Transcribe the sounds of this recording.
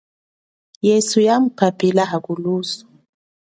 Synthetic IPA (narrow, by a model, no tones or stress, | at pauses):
jɛsujam̩papilaɦaɡulusu̥